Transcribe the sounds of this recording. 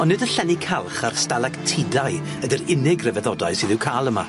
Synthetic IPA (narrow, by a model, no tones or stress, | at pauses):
ɔnːɪdəɬɛnikʰalˠχarstalˠaktʰɪdaj | ədɪɾɪnɪɡrɛvɛðɔdaɨsɨðɪwkʰaːlˠəma̰